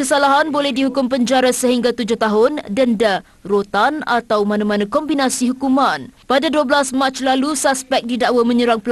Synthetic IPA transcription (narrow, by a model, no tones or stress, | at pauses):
kəsalaɦanbolɛhdiɦukʊmpəɲd͡ʒaɾasəɦiŋɡat̪ud͡ʒʊht̪aɦʊndənda | rot̪ana̰t̪awmãnãmãnãkɔmbinasiɦukumãnpadaduəbəlasmat͡ʃlalusaspɛk̚didaʔwamə̃ɲəɾaŋpəl